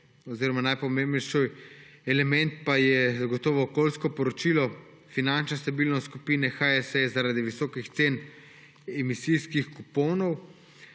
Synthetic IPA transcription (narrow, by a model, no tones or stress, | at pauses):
ɔziːɾɔmanajpɔmẽmbnɛjʃɔ | ɛlɛmɛnt̪̚pajɛzaɡɔt̪ɔːʋɔːkoːlskɔpɔɾɔt͡ʃiːlɔ | finant͡ʃnɛst̪abiːlnɔskupiːnɛxaɛsɛjzaɾad̪iʋisɔːkixt̪seːn | ɛmisijskixkupɔwnɔw